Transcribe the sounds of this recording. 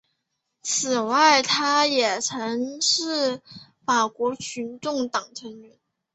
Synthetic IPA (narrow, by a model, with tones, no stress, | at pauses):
t͡sʰɹ̩˨˩wa˥˩ɪt̪ʰa˥jɛ˨˩ʈ͡ʂʰɤ˧˥ŋʂɻ̩˥˩fa˨˩kwɔ˧˥t͡ɕʰy˧˥nʈ͡ʂʊ˥˩ŋt̪ɑ˨˩ŋʈ͡ʂʰə˧˥ŋɥɛ˧˥n